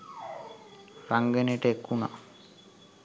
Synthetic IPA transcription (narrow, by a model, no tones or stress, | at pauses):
ɾaŋɡeneʈekːuna̰